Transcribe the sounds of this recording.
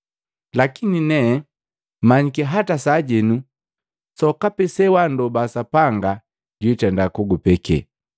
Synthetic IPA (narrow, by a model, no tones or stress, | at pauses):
lakininɛː | maɲikɛɦatasaɟɛnu | sɔkapɛsɛwandɔbasapaŋɡa | ɟwitɛndakuɡupɛkɛ̰